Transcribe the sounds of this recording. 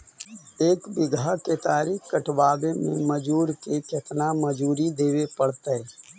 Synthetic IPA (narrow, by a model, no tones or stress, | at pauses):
eːkbɪɡʱaket̪aːɾiːkkəʈʰʋaːbemḛ̃məd͡ʒuːɾkeket̪naməd͡ʒuːɾid̪eːwepəɽt̪eɦɛ